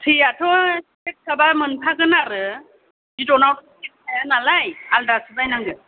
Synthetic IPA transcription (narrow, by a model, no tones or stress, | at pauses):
tʰɯjatʰɔstek̚sʰabamɯnpʰaɡɯnaɾɯ | zidɔnawtkit̚ajanalajaldasɯzajnaŋɡɯ